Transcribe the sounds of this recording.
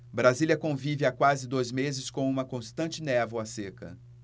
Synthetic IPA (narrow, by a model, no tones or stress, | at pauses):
bɾazilʲiɐkõvivɪakwazɪd̪ojzmezɪskõũmɐkõst̪ɐ̃nt͡ʃɪnɛvʊasekɐ̰